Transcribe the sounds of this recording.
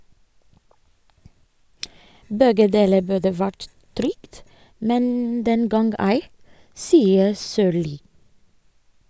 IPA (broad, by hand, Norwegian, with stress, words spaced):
ˈbɛɡə ˈdeːlə ˈbʉdə ˈʋæʈ ˈtɾʏkt ˈmɛn ˈdɛŋɡɑŋɡ ˈæɪ ˈsiːəɾ ˈsøːɭiː